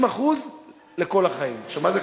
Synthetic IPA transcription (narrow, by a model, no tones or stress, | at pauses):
maχuz | le̞ko̞laχaimʃamaze